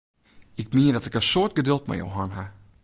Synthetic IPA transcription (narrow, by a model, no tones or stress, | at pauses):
ɪk̚miədɔtɪkəsoət̚ɡədølˠtmɛ̰jo̰wɦanɦa